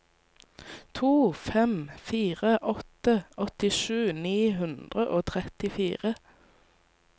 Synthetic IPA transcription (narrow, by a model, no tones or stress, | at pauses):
t̪ʰuːfɛmfiːʁəʔɔt̪əɔt̪ɪʃʉːniːɦʉnd̪ʁəʔoːt̪ʰʁɛt̪ɪfiːʁə